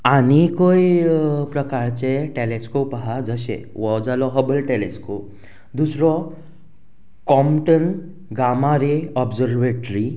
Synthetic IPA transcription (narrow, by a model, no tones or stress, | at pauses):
aɽ̃ikojpɾəkaɾt͡ɕeʈeleskopəɦad͡zəɕɛ̰̃ | ʋɔd͡zalɔɦəbəlʈeleskop̚ | d̪usɾɔ | kɔmʈən | ɡamaɾeɔbd͡zəɾʋeʈɾi